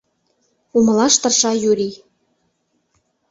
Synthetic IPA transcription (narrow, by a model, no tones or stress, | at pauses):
umə̆lɑʃt̪ɤ̆rʃɑjuɾi